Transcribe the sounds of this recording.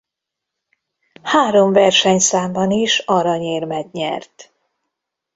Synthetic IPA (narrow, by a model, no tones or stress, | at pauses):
haːɾo̞ɱvɛrʃɛɲsaːmbɒniʃɒɾɒɲeːrmɛɡɲɛrt̪